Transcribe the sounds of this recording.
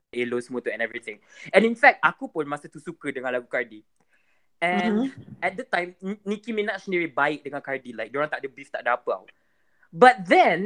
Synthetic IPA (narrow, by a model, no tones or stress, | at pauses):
elosmut̪uɛ̃nɛvɹit̪ɪ̃ŋɛ̃nĩnfɛk̚takupʊ̃nmasət̪usukədəŋãnlaɡukaɹdi | ɛ̃nɛt̚dətãj̃mnikimenaʔʃniɹibaɪk̚dəŋãnkaɹdilaɪjk̚dõnɔt̪aʔ̚dəbift̪aʔ̚dəapəa̰wt̚ | bat̚d̪ɛ̃n